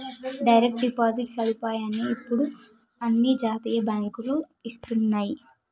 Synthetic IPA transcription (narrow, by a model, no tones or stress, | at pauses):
ɖɐjɾek̚ʈɖipaːd͡ʒiʈsɐlupaːjaːniːpːuɽu | ɐnːid͡ʒaːt̪iːjɐbjaːŋkulu | ist̪unːaːji